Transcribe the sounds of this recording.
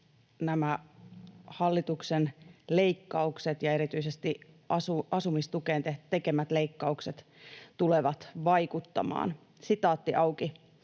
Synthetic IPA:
næmæ | hɑlːit̪uksenle̞ikːɑukset̪jɑe̞ɾit̪yisest̪i | ʔɑsuɑsumist̪ukeːnt̪et̪e̞kemæt̪le̞ikːɑukset̪ | t̪uleʋɑt̪ʋɑikut̪ːɑ̰mɑ̰ːn | sit̪ɑːt̪ːiʔɑuki

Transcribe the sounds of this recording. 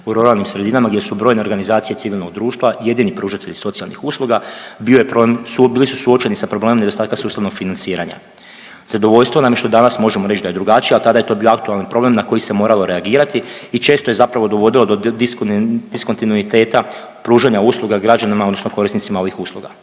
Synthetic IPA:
uɾoɾalnimsɾed̪inamaɡdʲje̞subɾojne̞ɾɡanizaːt̪sije̞t̪iʋilˠno̞ɡd̪ɾuːʃt̪ʋaje̞d̪inipɾuːʒat̪e̞ʎiso̞t̪sijalˠnixuːslˠuɡabiojepɾobemsubilisusuot͡ʃe̞nisapɾobleːmomned̪ost̪aːt̪kasuːst̪aʋno̞ɡfinansiːɾaɲa̰ | z̥ad̪oʋo̞ʎst̪ʋonamjeʃt̪o̞d̪anasmo̞ʒemoɾe̞t͡ʃd̪aje̞d̪ɾuɡat͡ʃijialt̪ad̪aje̞t̪o̞bio̞akt̪ualnanpɾo̞ble̞mnako̞jise̞mo̞ɾalo̞ɾe̞aɡiːɾat̪iit͡ʃe̞ːst̪o̞je̞zapɾaʋo̞d̪o̞ʋo̞d̪ilˠo̞d̪od̪d̪̥isko̞nt̪inuit̪e̞ːt̪a | pɾuːʒaɲauːslˠuɡaɡɾad͡ʒanimaod̪nosno̞ko̞ɾist̪nit̪simao̞ʋixuːslˠṵɡa̰

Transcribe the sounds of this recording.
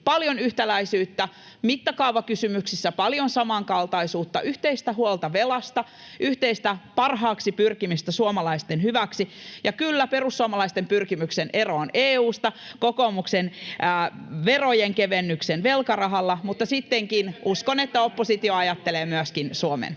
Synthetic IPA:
pɑljonyht̪ælæisyːt̪ːæ | mit̪ːɑkɑuʋɑkysymyksisːæpɑljonsɑmɑŋkɑlt̪ɑisuːt̪ːɑʔyht̪eist̪æɦuolt̪ɑʋelɑst̪ɑ | ʔyht̪eist̪æpɑrɦɑːksipyrkimist̪æsuomɑlɑist̪enhyʋæksijɑkylːæperusːuomɑlɑist̪empyrkimyksenʔeroːneːuːst̪ɑkoko̞muksenæːʋerojeŋkeʋenːyksenʋelkɑrɑɦɑlːɑmut̪ːɑsit̪ːeŋkinʔuskonet̪ːæopːosit̪ioɑjɑt̪ːeleːmyæskinsuomḛn

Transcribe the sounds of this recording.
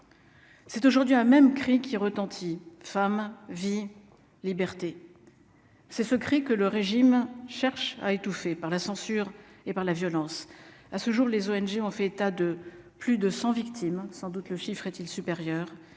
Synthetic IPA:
sɛt̪oʒuʁd̪ɥiɛ̃mɛmkχikʲiʁət̪ɑ̃t̪ʰifamvi | libɛʁt̪e | sɛsəkχikələʁeʒimʃɛʁʃa̰et̪ufepaʁlasɑ̃syʁepaʁlavjɔlɑ̃sasəʒuʁlezoɛnʒeɔ̃fɛet̪ad̪əplyd̪əsɑ̃vikt̪ʰimsɑ̃d̪ut̪ləʃifχɛt̪ilsypeʁjœʁ

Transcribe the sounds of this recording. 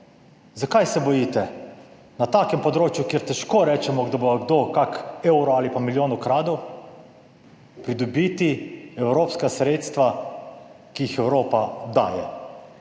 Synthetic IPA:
zakajsɛbɔjit̪ɛ | nat̪aːkɛmpɔd̪ɾoːt͡ʃjukjɛɾt̪ɛʃkoːɾɛːt͡ʃɛmɔɡd̪aboaɡd̪oːkakewɾɔaːlipamiljoːnukɾaːd̪ɔw | pɾid̪ɔbit̪iɛwɾoːpskasɾeːt̪st̪ʋa | kiixɛwɾoːpad̪a̰ːjɛ̰

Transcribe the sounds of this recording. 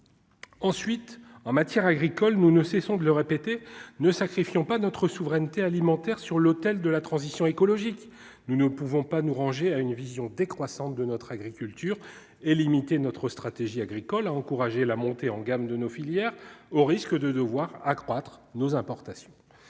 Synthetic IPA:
ɑ̃sɥit̪ɑ̃mat̪jɛʁaɡʁikɔlnunəsɛsɔ̃d̪ələʁepet̪enəsakχifjɔ̃panɔt̪χəsuvʁɛnt̪ealimɑ̃t̪ɛʁsyʁlot̪ɛld̪əlat̪χɑ̃zisjɔ̃ekɔlɔʒik | nunəpuvɔ̃panuʁɑ̃ʒeaynvizjɔ̃d̪ekχwasɑ̃t̪̚d̪ənɔt̪χaɡʁikʲylt̪yːʁ | elimit̪enɔt̪χəst̪χat̪eʒiaɡʁikɔlaɑ̃kuʁaʒelamɔ̃t̪eɑ̃ɡamd̪ənofiljɛʁoʁiskəd̪əd̪əvwaʁakχwat̪χnozɛ̃pɔʁt̪asjɔ̃

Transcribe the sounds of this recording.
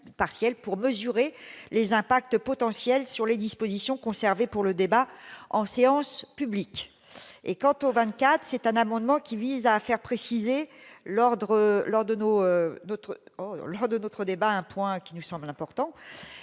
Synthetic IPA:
paʁsjɛlpuʁməzyʁelezɛ̃pak̚t̪pɔt̪ɑ̃sjɛlsyʁled̪ispozisjɔ̃kɔ̃sɛʁvepuʁləd̪ebaɑ̰̃seɑ̃spyblik | ḛkɑ̃t̪ovɛ̃t̪̚kʲat̪χsɛt̪ɛ̃namɑ̃d̪mɑ̃kʲivizafɛʁpχesizelɔʁd̪ʁəlɔʁd̪ənoønot̪χəlɔʁd̪ənot̪χəd̪ebaɛ̃pwɛ̃kʲinusɑ̃blɛ̃pɔʁt̪ɑ̃

